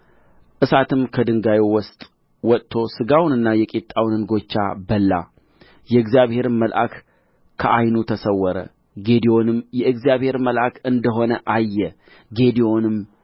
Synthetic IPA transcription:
ʔɨsat̪ʰɨmkʰəd̪ɨŋɡajewɔst̪ʼ | wɔtt̪ʰːo̞sɨɡawnɨnːajɛkʼet̪ʼːawnɨnɡo̞t͡ʃːa̰bəlːa̰ | jɛɨɡzjaβhe̞ɾɨməlʔa̰k | kʰːəʔajnut̪ʰəsəwːɔɾə̰ | ɡe̞d̪io̞nɨmjɛɨɡzijaβhe̞ɾməlʔakɨnd̪əɦo̞nəʔajːɛ | ɡe̞d̪io̞nɨm

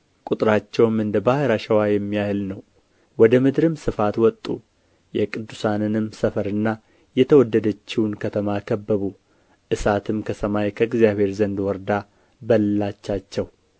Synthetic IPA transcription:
kʼut̪ʼɾat͡ʃːɛwmɨnd̪əbahɨɾaʃɛwajɛmːijahlnəw | wɔd̪əmɨd̪ɾɨmsɨfat̪wɔt̪ʼːu | jɛkʼɨd̪ːusanɨnɨmsəfəɾɨnːa | jɛt̪ʰəwɔd̪ːəd̪ət͡ʃːiwnkʰət̪ʰəmakʰəbːəβu | ʔɨsat̪ʰɨmkʰəsəmajkʰəɨɡzijaβhe̞ɾzənd̪wɔɾd̪a | bəlːat͡ʃːat͡ʃːɛw

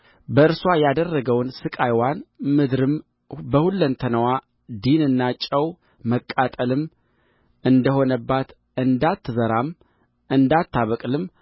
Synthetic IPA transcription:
bəɨɾswajad̪ərːəɡəwnsɨkʼajwanmɨd̪ɾɨm | bəhulːənt̪ʰənəwa | d̪inɨnːat͡ʃʼːəw | məkʼːat̪ʼəlɨm | ʔɨnd̪əho̞nəbːat̪ | ɨnd̪at̪ːzəɾam | ʔɨnd̪at̪ʰːaβəkʼlɨm

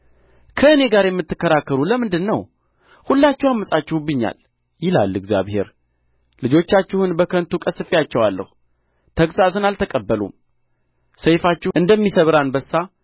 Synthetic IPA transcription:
kʰəɨne̞ɡaɾjɛmːɨt̪ːɨkːəɾakːəɾuləmɨnd̪ɨnːəw | hulːat͡ʃːɛwamːəsʼat͡ʃːɪhubɨɲːa̰l | jɪla̰lːɨɡzja̰βhe̞̰ɾ | lɨd͡ʒo̞t͡ʃːat͡ʃːɪhunbəkʰənt̪ukʼəsɨfijat͡ʃːɛwalːə̰hu | t̪ʰəɡsasɨnalt̪ʰəkʼəbːəlṵm | səjfat͡ʃːɪʔɨnd̪əmːisəβɾanbəsːa

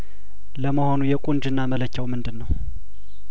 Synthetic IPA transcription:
ləməho̞nujɛkʷʼund͡ʒɨnːamələt͡ʃːɛwmɨnd̪ɨnːəw

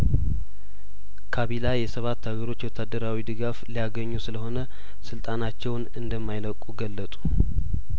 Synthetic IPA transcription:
kʰaβilajɛsəβat̪ːaɡəɾo̞t͡ʃːwɔt̪ʰːad̪ːəɾawid̪ɨɡaflijaɡəɲːusɨləho̞nə | sɨlt̪ʼanat͡ʃːɛwnɨnd̪əmːajləkʼuɡəlːət̪ʼu̥

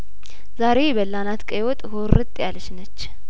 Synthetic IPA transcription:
zaɾe̞bəlːanat̪kʼəjwɔt̪ʼhorɨt̪ʼjalʃnət͡ʃː

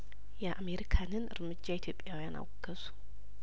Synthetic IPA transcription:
jɛʔame̞ɾikʰanɨnɨ̰ɾmɨd͡ʒːait̪ʰjo̞pʼːjawijana̰wɡəzu̥

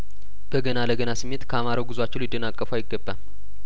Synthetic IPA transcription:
b̥əɡənaləɡənasɨmːe̞t̪kʰəamaɾawɡɨzwat͡ʃːɪnlid̪ənakʼːəfuajɪɡːəbːal

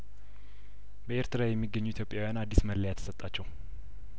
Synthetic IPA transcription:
bəeɾt̪ʰəɾajɛmːiɡːəɲːuit̪ʰjo̞pʼjawjanad̪ːisməlːəjat̪ʰə̥sət̪ʼːat͡ʃːɛw

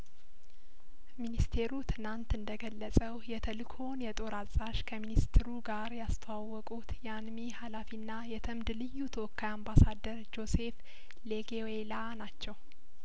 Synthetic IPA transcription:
minist̪ʰe̞ɾut̪ʰɨnant̪ɨnd̪əɡəlːəsʼəwjɛt̪ʰəlkʰo̞njɛt̪ʼo̞ɾazʼaʃkʰəminist̪ʰɨɾuɡaɾjast̪ʰəwawːɔkʼut̪jɛanmihalafinːajɛt̪ʰəmd̪lɨjːut̪ʰəwɔkːajambasad̪ːəɾd͡ʒo̞se̞f | leɡewelanat͡ʃːɛw

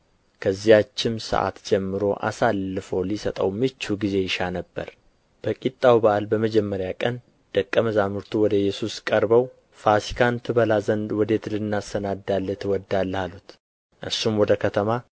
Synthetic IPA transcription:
kʰəzːijat͡ʃːɪmsə̰ʔa̰t̪d͡ʒɛmːɨɾo̞ʔa̰salːɨfo̞lisət̪ʼə̰wmɨt͡ʃːuɡize̞jɪʃanəbːə̰ɾ | b̥əkʼit̪ʼːawbaʔalbəməd͡ʒɛmːəɾjakʼən | d̪̥əkʼːəməzamɨɾt̪ʰuwɔd̪əjːɛsuskʼəɾbəw | fasi̥kʰant̪ʰɨβəlazənd̪wɔd̪e̞t̪lɨnːasənad̪alːət̪ʰwɔd̪ːalːhalut̪ | ʔɨsumwɔd̪əkʰət̪ʰəma

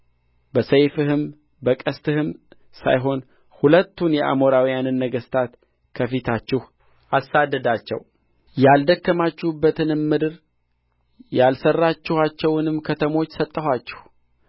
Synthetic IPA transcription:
bəsejfɨhɨm | bəkʼəst̪ʰɨhɨm | sa̰jɦo̞n | hulət̪ːunjɛʔa̰mo̞ɾawijanɨnːəɡəst̪ʰat̪ | kʰəfit̪ʰat͡ʃːɪh | ʔasad̪ːəd̪at͡ʃːɛ̰w | jald̪əkːəmat͡ʃːubːət̪ʰɨnɨmːɨd̪ɨɾ | jalsərːat͡ʃːɪhat͡ʃːɛwnɨmkʰət̪ʰəmo̞t͡ʃːsət̪ʼːəhat͡ʃːɛ̥h

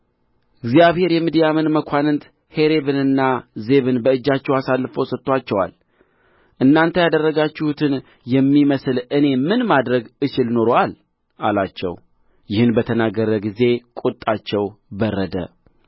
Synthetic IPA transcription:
ɪɡzijaβhe̞ɾjɛmid̪ijamɨnməkʷʰanɨnt̪ | he̞ɾe̞βɨnɨnːaze̞βɨnbəɨd͡ʒːat͡ʃːɛwasalːɨfowsət̪ːat͡ʃːɛwa̰l | ʔɨnːant̪ʰəjad̪ərːəɡat͡ʃːɪhut̪ʰɨn | jɛmːiməsɨlɨne̞mɨnmad̪ɾəɡɨt͡ʃɪlno̞ɾoal | ʔalat͡ʃːɛ̰w | jɪhɨnbət̪ʰənaɡəɾəɡize̞kʼut̪ʼːat͡ʃːɛwbərːəd̪ə̰

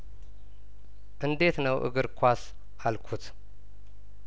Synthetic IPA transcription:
ʔɨnd̪e̞t̪nəwʔɨ̰ɡɨɾkʰʷas | ʔalkʰut̪

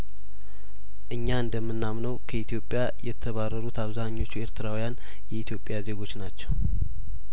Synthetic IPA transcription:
ʔɨɲːaɨnd̪əmːɨnːamnəwkʰəit̪ʰijo̞pʼːjajɛt̪ʰːəβarːəɾut̪ʰaβzaɲːo̞t͡ʃːue̞ɾt̪ʰɨɾawijan | jɛit̪ʰjo̞pʼjaze̞ɡo̞t͡ʃːnat͡ʃːɛw

